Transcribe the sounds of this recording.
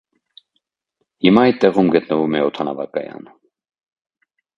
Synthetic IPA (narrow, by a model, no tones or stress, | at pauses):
himɑɛjt̪̚t̪ːɛʁumɡət̪nəvumɛɔt̪ʰɑnɑvɑkɑjɑ̰n